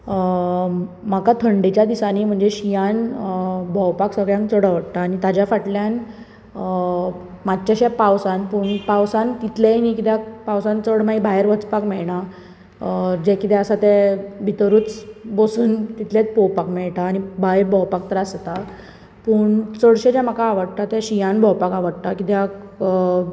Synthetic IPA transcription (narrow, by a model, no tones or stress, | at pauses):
makat̪ʰəɳɖit͡ɕjad̪isanim̤əɳd͡zeɕijan | bʱɔwpaksəɡɭjãŋkt͡səɽəʋəɽt̪aːnit̪ad͡ʑjafaʈljan | mad̪t͡ɕaɕapawsanpuːɳpawsant̪it̪lenikit̪apawsãnt͡səɽmaibajɾʋət͡spakmɛɭɳa | d͡ʑɛkit̪ɛəsat̪ɛbʱit̪əɾuːt͡sbosuːnt̪it̪lẽt͡spowpakmɛɭʈ̪aːɽ̃ibajbʱɔwpak̚t̪əɾast̪a | puːɳt͡səɽɕed͡ʑam̤akaːʋəɽt̪at̪ɛ̃ɕijãnbʱɔwpakaʋəɽt̪akit̪jak